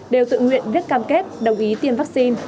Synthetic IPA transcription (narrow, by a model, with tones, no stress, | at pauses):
ɗe˨˩wt̪ɨ̰˧˨ŋwḭ˧˨ənvi˦˥ət̚kaː˧mke˦˥t̚ɗə˨˩wŋ͡mʔi˨˦t̪i˧əmva˦˥k̚si˧n